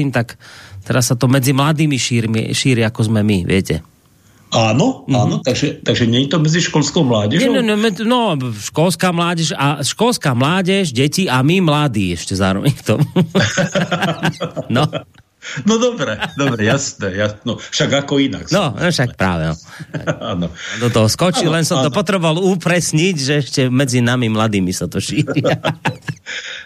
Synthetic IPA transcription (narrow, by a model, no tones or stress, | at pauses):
iːmt̪akt̪ɛɾasːat̪ɔmɛd͡zimlad̪iːmiʃiːɾmḭʃiːɾiakɔzmɛmiʋɪɛcɛ̰ | aːnɔaːnɔt̪aɡʒɛt̪aɡʒɛɲɛɲt̪ɔmɛd͡ziʃkɔlskɔʊmlaːɟɛʒɛɛɲɛmɛnɔʃkɔlskaːmlaːɟɛʃaʃkɔlskaːmlaːɟɛʃɟɛciamimlad̪iːɛʃcɛzaːɾɔ̰ʋɛɲft̪ɔm | nɔ | nɔd̪ɔbɾɛd̪ɔbɾɛjasnɛjasnɔfʃaɡakɔina̰knɔnɔʃak̚pɾa̰ːʋɛ̰ɔ̰t̪a̰anɔd̪ɔt̪ɔɦɔskɔt͡ʃilɛnsɔmt̪ɔpɔt̪ɾɛbɔʋalupɾɛsɲicʒɛɛʃcɛmɛd͡zinamimlad̪iːmisat̪ɔʃiːɾia